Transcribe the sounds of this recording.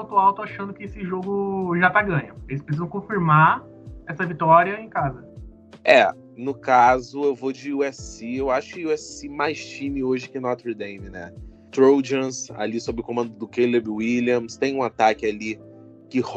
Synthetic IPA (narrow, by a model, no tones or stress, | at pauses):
wt̪ʊawt̪ʊaʃɐ̃nd̪ʊkɪesɪʒoɡʊʒat̪aɡɐ̃ɲɐ̃elɪspɾes̬izɐ̃w̃kõfiɾma | ɛsɐvit̪ɔɾiɐẽj̃kazɐ | ɛ | nʊkazʊewvod͡ʒɪuɛsiewaʃʊ̥kɪuɛssimajʃt͡ʃĩmɪoʒɪkɪnɔt̪ɾid̪ẽj̃mɪnɛ̰ | t̪ɾowd͡ʒɐ̃sa̰lisobɾɪʊkõmɐ̃nd̪ʊd̪ʊkelebwiliɐ̃mst̪ẽj̃ũat̪akɪali | kɪh